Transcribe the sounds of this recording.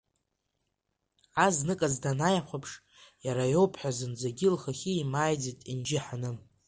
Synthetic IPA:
aznɨkʼazdanajaχʷapʰʂ | jaɾajowpʰħʷᶣazɨnd͡zaɡʲɪlχaχʲiimaːjd͡zitʼind͡ʒɪħanɨ

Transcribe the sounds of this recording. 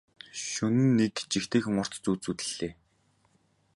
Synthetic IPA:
ʃɵnɘ̆nːekt͡ɕixt̪eːxɘ̆ŋʊr̥t̪t͡suːt͡suːt̪ɘ̆ɮːeː

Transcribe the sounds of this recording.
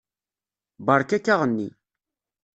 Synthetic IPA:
bəɾˤkːækːaʁənːḭ

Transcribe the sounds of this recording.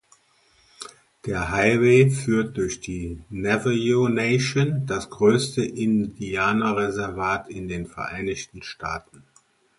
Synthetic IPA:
d̥eːɐɦaɪveːfyːɐt̚d̥ʊɐçd̥iːnɛvəjoneɪʃondasɡ̥ʁøːstəʔɪndiaːnɐʁezɛɐvaːtɪndeːnfɛɐʔaɪnɪçtn̩ʃtaːtn̩

